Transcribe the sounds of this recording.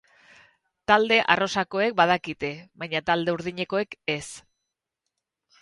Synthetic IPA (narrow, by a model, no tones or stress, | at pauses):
t̪ald̪e̞ʔa̰ro̞sako̞e̞k̚bað̞akit̪e̞βajɲat̪ald̪e̞uɾðiɲe̞ko̞e̞ke̞s